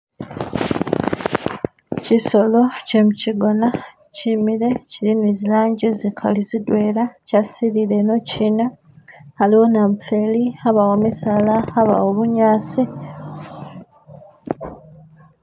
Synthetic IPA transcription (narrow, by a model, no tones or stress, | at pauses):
ciso̞lo̞ce̞muciɡo̞na | cimiɾe̞cilinizilaːɲɟizikʰa̰lizidwe̞ːɾacasiɾile̞no̞cina | aliwo̞naɱfe̞liaβawomisalaaβa̰woβuɲaːsi